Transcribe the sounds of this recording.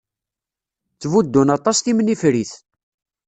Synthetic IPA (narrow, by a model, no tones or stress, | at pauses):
t͡sːvud̪ːunɑt̪ˤɑsθimnifɾiθ